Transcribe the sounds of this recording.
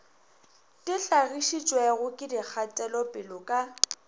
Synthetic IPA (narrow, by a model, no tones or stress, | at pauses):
tʼɪɬaɣiʃit͡ʃʼwɛɣʊkʼɪdik͡xʰatʼɛlɔpʼɪlɔkʼa